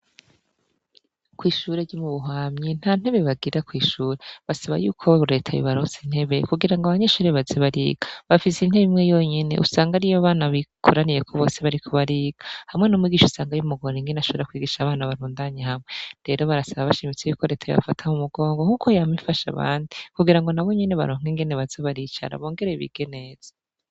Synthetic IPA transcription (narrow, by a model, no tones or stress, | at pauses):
kwiːʃuːɾeɾɟumuβuɦaːmɲin̥haːn̥he̞βe̞βaɡiɾakwiːʃuːɾe̞βasaβa̰juːkʰo̞ɾe̞tʰajo̰βaɾozin̥he̞βe̞kuɡiɾaŋɡaβaɲe̞ʃuːɾeβazeβaɾḭːɡ̥aβafisin̥he̞βimŋejo̞ɲe̞ne̞̰ʔṵsaːŋɡaɾijaβaːnaβikʰoɾanijekʰoβo̞ːse̞βaɾikʰoβaɾiːɡ̥ahamŋe̞nomwiːɡiːʃusaːŋɡajumuɡoɾeŋɡenaʃoβeɾakwiːɡiʃaβaːnaβaɾuːndaɲehamŋe̞ɾe̞ɾo̞βaɾasaβaβaʃimit͡sejuːkʰo̞ɾe̞tʰajo̰βa̰fatʰamumuɡo̞ːŋɡo̞ŋ̥ukʰo̞jamifaʃa̰βa̰ːndikuɡiɾaŋɡo̞naβo̞ɲe̞ne̞βa̰ɾoːŋ̥iŋɡe̞ne̞βazeβaɾiːt͡ʃa̰ɾa̰βo̞ːŋɡe̞ɾe̞βḭɡ̥ene̞ːz̥ḁ